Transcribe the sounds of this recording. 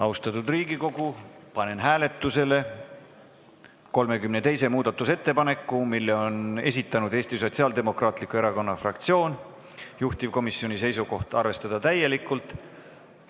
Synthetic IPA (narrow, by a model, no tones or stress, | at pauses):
ɑust̪ɑt̪ˑud̪riːɡiko̞ɡ̥upɑne̞nɦæːle̞t̪ːˑuse̞le̞ | ko̞lme̞kymne̞t̪e̞jse̞muːd̪̥ɑt̪ːˑuse̞t̪ːe̞pɑne̞kːˑumilːeo̞ne̞s̬ʲit̪ːˑɑnud̪̥e̞ːst̪iso̞t̪siɑːld̪e̞mo̞krɑːt̪ˑlikːˑue̞ɾɑko̞nːɑfrɑ̰kt̪sio̞ːn | juht̪ivko̞misːjo̞nʲise̞jsuko̞ht̪ɑrve̞st̪ɑd̪̥ɑt̪æjelikːˑult̪ˑ